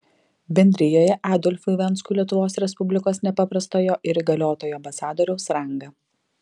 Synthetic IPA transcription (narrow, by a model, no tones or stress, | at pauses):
bʲɛnʲd̪ʲɾʲɪjoːjɛʔæːd̪ɔlʲfʲʊʋʲɛnˑskuːlʲiɛt̪ʊʋoːsɾʲɛspʊbʲlʲɪkoːsnʲɛpɐpɾɐst̪oːjoːʔɪɾiɡɐlʲoːt̪oːjoːɐmbɐsɑːd̪oːɾʲɛʊsɾɐŋɡɐ